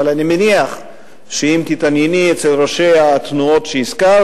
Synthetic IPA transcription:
alanimeniaχ | ʃeimt̪it̪anjeniet͡selʁoʃejat̪nuo̞tʃeiska

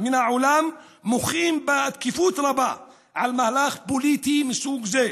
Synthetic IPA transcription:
mənaʕʊlæmː | ʊxiːmbaʕd̪kifut̪ɾˤɑba | ʕalmahlaxbulit̪imənsuɡze

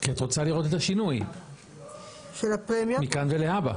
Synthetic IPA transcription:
kiat̪ʁo̞t͡saliʁo̞t̪et̪aʃinuj | ʃelapʁemjmikanveleaba̰

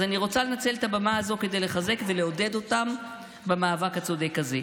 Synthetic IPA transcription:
zaniʁo̞t͡salenat͡se̞let̪abamaazo̞ke̞d̪e̞jleχaze̞kve̞leo̞de̞d̪o̞tam | bemaːvakat͡sod̪ekaze

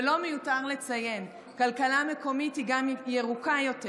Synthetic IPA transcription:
lo̞mejutaʁle̞t͡saje̞n | kalkalame̞ko̞mithiɡamjeʁukajo̞te

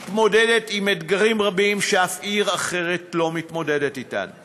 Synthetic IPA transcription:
tmo̞dedetimedɡaʁimʁabimʃeafʔiʁaχe̞ʁetlo̞mitmo̞dedetita̰n

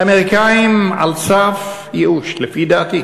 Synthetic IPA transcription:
ameʁikajima̰lsaf | jeʔuʃlefid̪aːt̪i

